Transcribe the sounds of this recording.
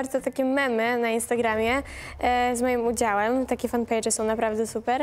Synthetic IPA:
aɾd̪zɔt̪akʲɛmɛmɘnainst̪aɡɾamʲjɛ | zmɔjimud͡ʑawɛmt̪akʲɛfanpɛjt͡ʂɛsɔ̃w̃napɾavd̪ɛsupɛɾ

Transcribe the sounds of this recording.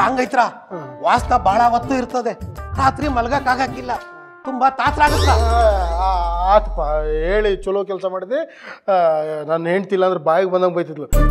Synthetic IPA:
aːŋɡɐjt̪ɾa | ʋaːsnɐbʱaːɭɐʋɐt̪ːuiɾt̪ːɐd̪eɾaːt̪ɾimɐlɐɡakaːɡaːkilːɐ | t̪umbɐt̪aːt̪ɾaːɡɐt̪ɾaːaːt̪pɐeːɭit͡ʃulok̬ɛlsɐmaːɽid̪e | nɐnːɦeɳɖt̪ilːɐnd̪ɾebaːjɐɡebɐnd̪aɡbɐjt̪̬id̪lu

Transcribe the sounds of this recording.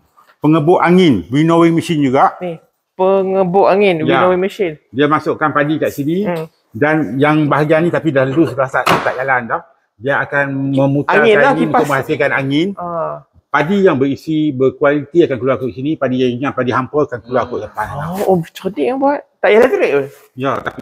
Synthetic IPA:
pəŋəbʊʔaŋɪnwinowɪŋməʃind͡ʒuɡaʔni | pəŋəbʊʔaŋɪnwjianowiŋməʃɪndiamasʊʔkanpadikaʔsini | danjaŋbaɦaɡanĩt̪apidalaalusəbaasaʔsit̪aʔd͡ʒalandɔh | diaakanmə̃muk̪ainaɲiunʊkʔmə̃hasilkanaŋɪna | padijaŋbəɾisibərkualit̪iakankəluakʊʔsinipadiaɲaŋpadiɦampəkankuluakʊʔdəpanaobt͡ʃodiʔjaŋbuat̚t̪aʔjalat̪əɾeʔ̚ol | jat̪api

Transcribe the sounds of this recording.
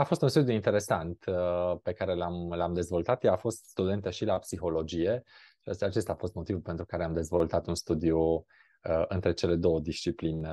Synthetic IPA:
afo̞st̪unst̪ud̪juint̪e̞ɾe̞sant̪pekaɾe̞lamlamd̪e̞zvo̞lt̪at̪jeafo̞st̪st̪ud̪e̞nt̪eʃilapsixo̞lo̞d͡ʒije̞ | ʃisat͡ʃe̞st̪aːfo̞st̪mo̞t̪ivupe̞nt̪ɾukaɾeamd̪e̞zvo̞lt̪at̪unst̪ud̪iu | ɨnt̪ɾet͡ʃe̞le̞d̪o̞wəd̪ist͡ʃipline

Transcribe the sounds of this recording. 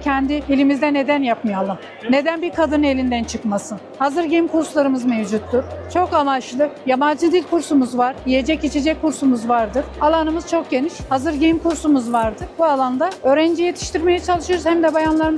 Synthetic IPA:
cʰɛnd̪iilʲimizd̪ɛne̞d̪ænjapmɯjalˠɯm | ne̞d̪ænbiɾkʰad̪ɯnɯe̞lʲind̪ænt͡ʃʰɯkmasɯnhazɯɾɟejimkʰuɾslˠaɾɯmɯzme̞vd͡ʒut̪ːuɾ̥t͡ʃʰo̞kamaʃlˠɯjamad͡ʒ̪ɯd̪ilʲkʰuɾsumuzvaɾjije̞d͡ʒɛcit͡ʃʰed͡ʒɛc̚kʰːuɾsumuzvaɾd̪ɯɾ̥alˠanɯmɯz̥t͡ʃʰo̞k̚ɟe̞niʃhazɯɾɟejimkuɾsumuzvaɾd̪ɯɾbualˠand̪aø̞ːɾænd͡ʒije̞t̪ʰi̥ʃt̪iɾme̞jɛt͡ʃʰalˠɯʃɯoɾuz̥hæmd̪ɛbajanlˠaɾɯn

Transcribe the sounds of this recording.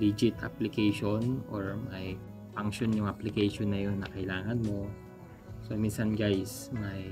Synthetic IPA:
d̪id͡ʒɪt̪a̰plɪkɛjʃonoɹmɐj | paŋkʃonjʊŋʔɐplɪkɛjʃonːɐjo̞nːɐkɐɪlaːŋɐnmo̞ | sominsɐnɡajsmɐj

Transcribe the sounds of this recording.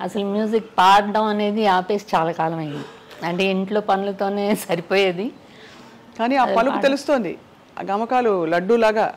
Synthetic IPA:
ɐ̰sɐlumjuːzikpaːɾɖɐmɐne̞ːd̪iaːpe̞ːsi̥t͡ʃaːlaːkaːlɐmɐjind̪i | ɐɳʈe̞ːiɳʈlo̞ːpɐnulɐt̪o̞ːne̞ːsɐɾipoːjeːd̪i | kaːniːaːpɐlukkut̪e̞lust̪oːnd̪ḭ | a̰ɡɐmɐkaːlulɐɖːulaːɡaː

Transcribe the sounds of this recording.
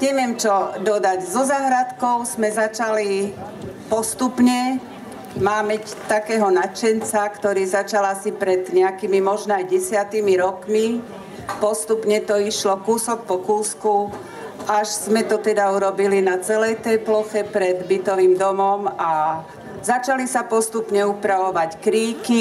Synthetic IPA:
ɲɛʋɪɛmt͡ʃɔd̪ɔd̪aɟzɔzaːɦɾat̪kɔʊzmɛzat͡ʃali | pɔst̪upɲɛ | maːmɛc | t̪akɛːɦɔnat͡ʃɛnt͡sakt̪ɔɾiːzat͡ʃalasipɾɛd̪ɲɛakimimɔʒnɔajɟɛsɪat̪imiɾɔkmi | pɔst̪upɲɛt̪ɔiʃlɔkuːsɔk̚pɔkuːsku | aʃz̥mɛt̪ɔt̪ɛd̪auɾɔbilinat͡sɛlɛjt̪ɛplɔxɛpɾɛd̪bit̪ɔʋiːmd̪ɔmɔma | zat͡ʃalisapɔst̪upɲɛupɾaʋɔʋackɾiːki

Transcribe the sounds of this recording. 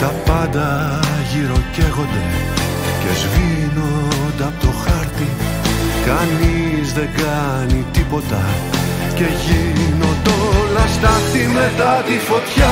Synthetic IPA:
t̪ɐpɐnd̪ɐʝiɾo̞ceɣo̞nd̪e̞ | ce̞zvino̞nd̪ɐpot̪o̞xɐɾt̪i | kɐnizðe̞ŋɡɐ | nit̪ipo̞t̪ɐ | ce̞ʝino̞t̪onɐst̪ɐθime̞t̪ɐt̪ifo̞t̪çɐ

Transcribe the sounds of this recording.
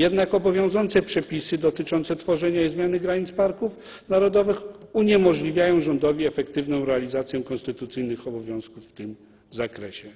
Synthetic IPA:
jɛd̪nakɔbɔvʲjɔ̃w̃zɔnt̪sɛpʂɛpʲisɘd̪ɔt̪ɘt͡ʂɔnt̪sɛt̪fɔʐɛɲaizmʲjanɘɡɾaɲit̪spaɾkuf | naɾɔd̪ɔvɘxuɲɛmɔʐlʲivʲjajɔ̃w̃ʐɔnd̪ɔvʲiɛfɛkt̪ɘvnɔ̃w̃ɾɛalʲizat̪sʲjɛkɔnst̪ɘt̪ut̪sɘjnɘxɔbɔvʲjɔ̃w̃skufːt̪ɘm | zakɾɛɕɛ

